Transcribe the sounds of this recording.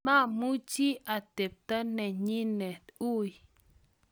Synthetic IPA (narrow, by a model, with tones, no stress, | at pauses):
mã˦˨mu˦t͡ʃi˦a˨t̪e˨p̚t̪a˦ne˨ɲĩ˦ne˨t̪u˦j